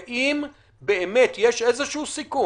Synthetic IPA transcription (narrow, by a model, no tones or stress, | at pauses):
ʔim | beemet̪jeʃezeʃuusiku